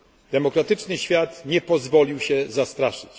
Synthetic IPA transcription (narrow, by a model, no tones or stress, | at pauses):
d̪̥ɛmɔkɾat̪ɘt͡ʂnɘɕfʲjat̪ɲɛpɔzvɔlʲiwɕɛzast̪ɾaʂɘ̥t͡ɕ